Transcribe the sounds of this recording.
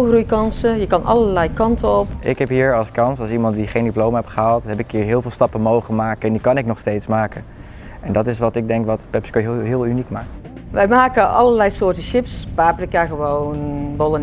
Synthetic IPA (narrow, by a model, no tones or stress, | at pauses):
xrujkɑnsəjəkɑnʔɑ̰ləlɛjkɑntʰəɔpʔɪkɦɛpɦiːɹɑlˠskɑnsɑlˠsimɑntdiχejndiplowmɦɛpχəɦaːlˠtɦɛpɪkɦiːɹɦɪːlˠvɪːlˠstɑpənmowχəmaːkəɛndikɑnɪk̚nɔχstejtsmaːkə | ɛndɑtɪsʋɑtɪɡ̚dɛŋkʋɑtpɛpskojɦɪːlˠynikmaːkt | ʋɛjmaːkəʔɑləlɛjsoːrtəʃɪpspaːplɪkaɣəʋownʋolˠən